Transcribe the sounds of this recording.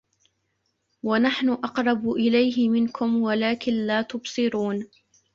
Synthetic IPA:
wanaħnʊʔɑqɾˤɑbʔɪlajɦɪmɪnkʰʊmwalaːkɪnlaːt̪ʊbsˤɨɾuːn

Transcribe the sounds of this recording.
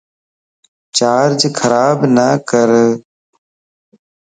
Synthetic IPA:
t͡ʃaːɾd͡ʒkʰəɾaːbnəkəɾ

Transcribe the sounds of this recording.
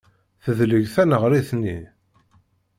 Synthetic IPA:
θəðləʝθænəʁɾiθnːi

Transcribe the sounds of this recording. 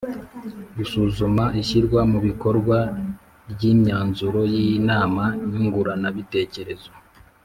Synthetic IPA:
ɡisuzumaʔiçiɾɡwamuβiko̞ɾɡwa | bɟiːɲaːnzuɾo̞jijinaːmaiɲiŋɡuɾanaβite̞ːce̞ɾe̞zo

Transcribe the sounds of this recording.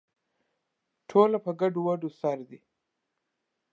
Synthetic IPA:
ʈʰoːlapəɡaɖuwaɖusaɾd̪i

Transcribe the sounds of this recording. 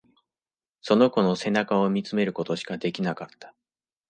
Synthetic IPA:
so̞no̞ko̞no̞se̞nakao̞mʲit͡sɨme̞ɾɯ̟ko̞t̪o̞ɕi̥kad̪e̞kʲinakat̪ːḁ

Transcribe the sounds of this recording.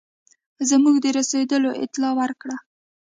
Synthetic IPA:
zamuɡd̪əɾased̪əloʔɪ̰t̪lɑwaɾkɽa

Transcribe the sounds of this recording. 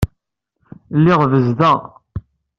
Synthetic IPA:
lːiʁvəzdæ

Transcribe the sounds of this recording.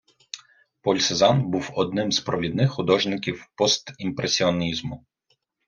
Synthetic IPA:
pɔlʲsezɑnbuwɔd̪̚nɪmzpɾɔʋʲid̪nɪxxʊd̪ɔʒnɪkʲiwpɔst̪impɾesʲiɔnʲizmʊ

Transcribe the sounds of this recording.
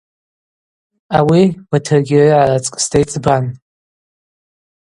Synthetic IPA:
awiwatʰɨrɡʲɪrʕarat͡sʼkʼstʰejt͡sʼban

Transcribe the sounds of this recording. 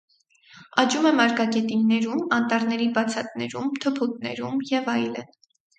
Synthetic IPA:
ɑd͡ʒumɛmɑɾkɑɡɛt̪inːɛɾumɑnt̪ɑɾnɛɾibɑt͡sʰɑt̪̚nɛ̰ɾumt̪ʰəpʰut̪̚nɛ̰ɾumjɛvɑjlə̰n

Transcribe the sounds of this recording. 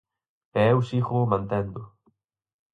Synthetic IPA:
ɛɛwsixʊːmãnt̪ɛnd̪ʊ

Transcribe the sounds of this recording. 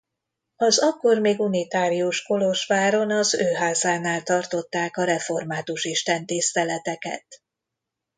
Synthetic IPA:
ɒzɒkːo̞rmeːɡunit̪aːɾiuʃko̞lo̞ʃʋaːɾo̞nɒzøːɦaːzaːnaːlt̪ɒrt̪o̞t̪ːaːkɒɾɛfo̞rmaːt̪uʃiʃt̪ɛnt̪ist̪ɛlɛt̪ɛkɛ̰t̪

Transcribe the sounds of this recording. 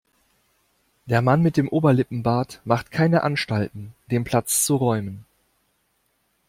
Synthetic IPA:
d̥eːɐmanmɪt̚d̥eːmʔoːbɐlɪpm̩baːtmaχtkʰaɪnəʔanʃtaltn̩d̥eːnpʰl̥at͡st͡suʁɔʏmən

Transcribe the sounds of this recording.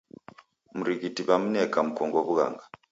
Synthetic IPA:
muɾiɣitiβam̩nɛkam̩kɔŋɡɔβuɣa̰ŋɡa

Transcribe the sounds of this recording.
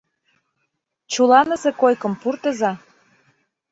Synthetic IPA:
t͡ɕulɑnəzekojkə̆mpurt̪ə̆zɑ

